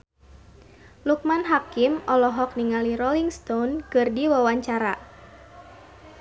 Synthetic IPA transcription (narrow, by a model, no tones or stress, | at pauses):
luk̚manɦakimɔlɔɦɔk̚niŋaliɾɔliŋst̪ɔnkɨrdiwawaɲt͡ʃaɾa̰